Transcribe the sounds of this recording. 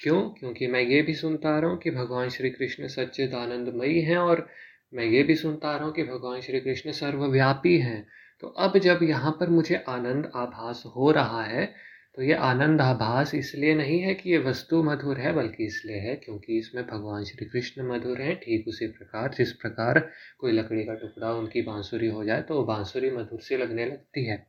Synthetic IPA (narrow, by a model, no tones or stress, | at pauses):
kjõːkjõːkimɛ̃ːjebʱisʊnt̪aɾɐɦũkibʱɐɡʋaːnʃɾiːkɾɪʃnsɐtːʃɪt̪aːnə̃nd̪mɐiɦɛ̃ɔːɾ | mɛ̃ːjebʱisʊnt̪aɾɐɦũkibʱɐɡʋaːnʃɾiːkɾɪʃnsɐɾʋəʋjaːpiɦɛ̃ː | t̪o̰ːʔɐbd͡ʒɐbjɐɦãpɐɾmʊd͡ʒʱeʔaːnə̃nd̪aːbʱaːsɦoɾɐɦaɦɛ | t̪ojeʔaːnə̃nd̪aːbʱaːsɪslienɐɦĩɦɛkijeʋɐst̪umɐd̪ʱuːɾɦɛbɐlkiɪslieɦɛkjõːkiɪsmẽbʱɐɡʋaːnʃɾiːkɾɪʃnəmɐd̪ʱuːɾɦɛ̃ʈʰiːkʊsipɾɐkaːɾd͡ʒɪspɾɐkaːɾkoːilɐkɽikaʈʊkɽaʊnkibãːnsuːɾiɦod͡ʒaːet̪oobãːsuːɾimɐd̪ʱuːɾselɐɡnelɐɡ̚t̪iɦɛː